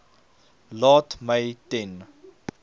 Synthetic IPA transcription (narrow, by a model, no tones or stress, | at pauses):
lɑːtmɐjtɛn